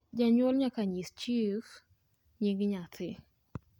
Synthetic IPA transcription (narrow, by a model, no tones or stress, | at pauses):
d͡ʒaɲwɔlɲakaɲist͡ʃif | ɲiŋɡɲat̪ɪ